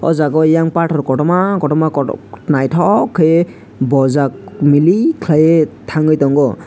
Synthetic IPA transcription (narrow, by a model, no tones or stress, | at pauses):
ɔ̰zakɔjaŋpaʈʰɔɾkɔʈɔmakɔʈɔmakɔnajtʰɔkʰe | bɔzakmilikʰlajetʰaŋɡɯjtɔŋɡɔ